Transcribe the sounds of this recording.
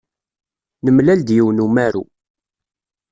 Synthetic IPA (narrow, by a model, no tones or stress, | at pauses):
nəmlæld̪jiwnumæɾu